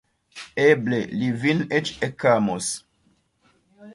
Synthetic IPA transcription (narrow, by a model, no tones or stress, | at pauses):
eblelivinet͡ʃekamos